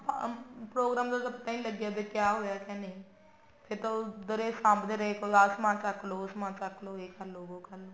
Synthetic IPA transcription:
pɾoːɡɾaːmd̪osɐpt̪aːĩləɡjaːbekjaːɦoːjaːkjaːneĩː | pʰɪɾt̪od̪əɾeːsãːmbd̪eɾəekoːasmãːt͡ʃakʰloːʊsmãːt͡ʃakʰloːeːkalːoːɡoːkəlː

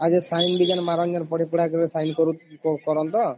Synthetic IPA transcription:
ad͡ʒesajnbid͡ʒanmaɾɔɲjaɾpɔɽipuɽakɔɾesajnkɔɾuɔkɔɾɔnt̪ɔ

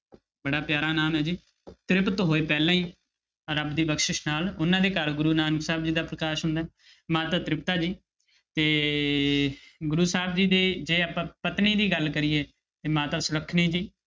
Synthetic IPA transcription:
bəɽaːpjaːɾaːnaːmɦɛːd͡ʒiː | t̪ɾɪpət̪ɦoːeːpɛːlãːĩː | ɾəbd̪iːbəkʃɪʃnaːlʊnãːd̪eːkəɾɡʊɾuːnaːnksaːb̚d͡ʒiːd̪aːpɾəkaːʃɦʊ̃nd̪aː | mãːt̪ãːt̪ɾɪpt̪aːd͡ʒiː | t̪eː | ɡʊɾuːsaːbd͡ʒiːd̪eːd͡ʒeːaːpãːpət̪niːd̪iːɡəlkəɾiːeː | t̪eːmãːt̪aːsʊɾəkʰniːd͡ʒiː

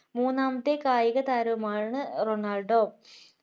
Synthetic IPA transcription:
muːnːaːmɐt̪ːekaːjiɣɐt̪aːɾɐʋɐmaːɳɨronaːlɖoː

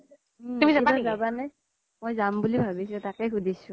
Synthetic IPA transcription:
umiaazabanaj | mojzambulibʱabis̬ʊ̃takɛkʰudʱisʊ̃

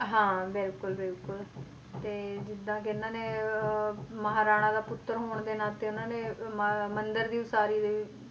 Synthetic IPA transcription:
ɦãːbɪlkʊlbɪlkʊl | t̪eːd͡ʒɪd̪ãːkɪɪnːãːneː | məɦaːɾaːɽ̃ãːd̪aːpʊt̪ːəɾɦoːɳd̪eːnaːt̪eːʊnãːnẽːmənd̪əɾd̪iːʊsaːɾiːd̪eː

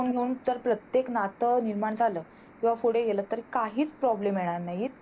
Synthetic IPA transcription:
unɡʱeuːnt̪əɾpɾət̪jeknat̪əniɾmaɳd͡zʱaləː | kĩʋafoɽeɡeləːt̪əɾkaɦiːt͡spɾɔblemjeɭ̃aɾnajiːt̪̚

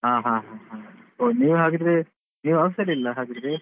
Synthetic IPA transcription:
ɦãːɦãːɦãːɦãːoniːʋuɦaːɡid̪ɾe | niːʋuɐʋɐsɐlilːɐɦaːɡid̪ɾe

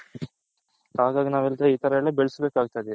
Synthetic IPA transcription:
aːɡaːɡɐnaːʋelt̪ɐiːt̪ɐɾɐɐɭːebeɭsɐbeːkaːɡ̚ut̪aːjd̪i

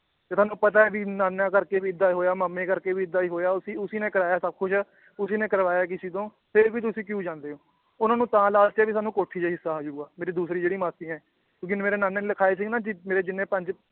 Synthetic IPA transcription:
t̪eːt̪ʰaːnũːpət̪aːɛːbiːnaːnãːkəɾkeːʋiːɪd̪ːaːiɦoːjaːməmːẽːkəɾkeːʋiːɪd̪ːaːiːɦoːjaːʊsiːʊsiːnẽːkəɾaːjaːsəb̚kʰʊʃ | ʊsiːnẽːkəɾʋaːjaːk̬ɪsiːt̪̬õː | pʰɪɾʋiːt̪ʊsĩːk̬jũːd͡ʒãːnd̪eːoː | ʊnãːnũːt̪ãːlaːlt̪aːʋiːsaːnũːkoːʈʰːiːd͡ʒaɦɪsːaːɦoːd͡ʒuːɡaːmeːɾiːd̪uːsɾiːd͡ʒeːɽiːmaːst̪iːɛ̃ː | kjõːkɪmeːɾeːnaːnẽːləkʰaːeːs̬iːɡnãːd͡ʒɪmeːɾeːd͡ʒɪnːẽːpəɲd͡ʒ

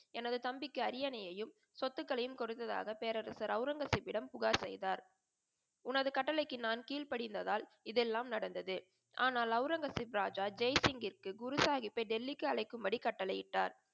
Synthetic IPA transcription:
ɛnɐðɯt̪ɐmbɪkːɯɐɾɪjɐnɐjɐjɯm | sɔt̪ːɯkːɐɭɐjɯmkɔɾɯt̪ːɐða̰ːɣɐpeːɾɐɾɐsɐɾɐʊɾɐŋɡɐsɪpːɪɽɐmpʊɣaːsɛ̰jðaːɾ | ʊnɐðɯkɐʈːɐlɐɪkːɯnaːnkiːlpɐɽɪnd̪ɐðaːl | ɪðɛlːaːmnɐɽɐnd̪ɐðɯ | ʔaːnaːlɐʊɾɐŋɡɐsɪpɾaːd͡ʒaːd͡ʒɛjsɪŋɡɪrkɯɡʊɾʊsaːɣɪpːɐɪɖɛlːɪkːɯɐɭɐɪkːɯmbɐɽikɐʈːɐlɐjɪʈːaːɾ

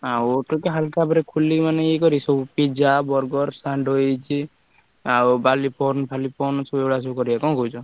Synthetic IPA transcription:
awʈɔkeɦalkabɔɾekʰulimaneikɔɾisɔbupid͡ʒabɔɾɡɔɾsaɳɖɔjt͡ʃʰi | awbalipʰɔɾnpʰalipʰɔɾnsɔbeɡɭasɔkɔɾiakɔ̃kɔwd͡ʒɔ

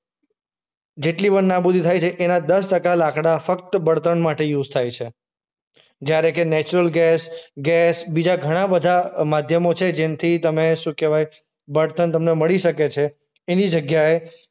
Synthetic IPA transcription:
d͡ʒeʈlibənnabud̪ʱit̪ʰajt͡ʃʰeʔenad̪əsʈəkalakɽafəkt̪əbəɽt̪ənmaʈejud͡ʒt̪ʰajt͡ʃʰe | d͡ʒjaɾekenɛt͡ʃuɾəlɡɛsɡɛsbid͡ʒaɡʱəɽ̃abəd̪ʱamad̪ʱjəmot͡ʃʰed͡ʒent̪ʰit̪əmeʃũkeʋaj | bəɽt̪ənt̪əmneməɭiʃəket͡ʃʰe | enid͡ʒəɡjae

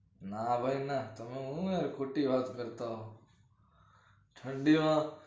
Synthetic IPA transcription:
nabʱainat̪əmẽũjaɾkʰoːʈiʋaːt̪kəɾt̪aɦoː | ʈʰə̃ɳɖimã

